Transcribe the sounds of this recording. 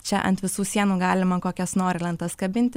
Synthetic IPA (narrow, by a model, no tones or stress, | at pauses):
t͡ʃʲɛʔɐ̰nt̪ʋʲɪsuːsʲiɛnuːɡɑːlʲɪmɐkoːkʲɛsnoːɾʲɪlʲˠɐnt̪ɐskɐbʲɪnʲt̪ʲɪ